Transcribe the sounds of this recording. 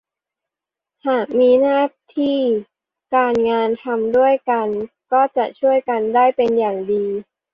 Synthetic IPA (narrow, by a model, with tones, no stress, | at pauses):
haː˨˩k̚miː˧naː˥˩t̪ʰiː˥˩ | kaː˧nŋaː˧nt̪ʰa˧mdu˥˩əjka˧n | kɔː˥˩t͡ɕa˨˩ʔt͡ɕʰu˥˩əjka˧ndaː˥˩jpe˧njaː˨˩ŋdiː˧